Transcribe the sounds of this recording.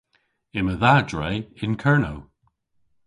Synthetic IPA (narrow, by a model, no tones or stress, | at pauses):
ɪməðadɹejɪnkʰɜɹno